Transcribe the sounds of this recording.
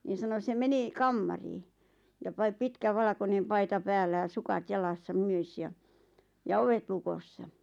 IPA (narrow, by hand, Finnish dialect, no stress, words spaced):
niːn̞ sɑno sem meni kɑmːɑriː jɑ pɑi pitkæ ʋɑlɑ̆konem pɑitɑ pæːlːæ jɑ sukɑt jɑlɑsːɑ myøs jɑ jɑ oʋet lukosːɑ